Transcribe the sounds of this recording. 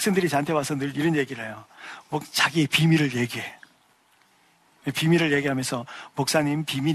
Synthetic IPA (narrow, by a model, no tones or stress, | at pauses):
ks͈endɯɾit͡ɕantʰewasʰʌnɯɾiɾʌnje̞ɡiɾɦejomokt͡ɕaɡiepimiɾɯɭje̞ɡiɦe̞ | epimiɾɯɭʎje̞ɡiɦamjʌnsʰʌmok̚s͈aɲimpimi